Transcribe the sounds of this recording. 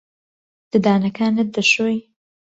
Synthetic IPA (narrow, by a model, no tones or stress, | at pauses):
d̪̥ɨd̪aːnɐkʰaːnɨt̪̚d̪ɐʃoj